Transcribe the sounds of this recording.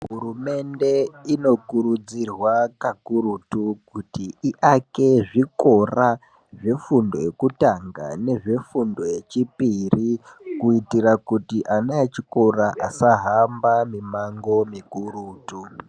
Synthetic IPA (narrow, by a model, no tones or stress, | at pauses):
ɦuɾume̞nde̞ino̞kuɾud͡zirwakakuɾutukutiiʔake̞ʐiko̞ra | ʐe̞fundo̞̰jekutaŋɡa̰ne̞ʐe̞fundo̞jet͡ʃipirikuitiɾakutiʔanaet͡ʃiko̞raʔasaɦambamimaŋɡo̞mikuɾuːtu